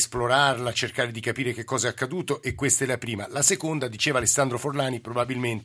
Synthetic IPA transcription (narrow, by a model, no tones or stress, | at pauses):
sploɾarlat͡ʃerkaːɾed̪ikapiːɾek̟ekːɔːzaɛakːad̪uːt̪oʔekːwest̪aɛlapɾiːmalasekond̪ad̪it͡ʃeːvalesːand̪ɾoforlaːnipɾobabilment̪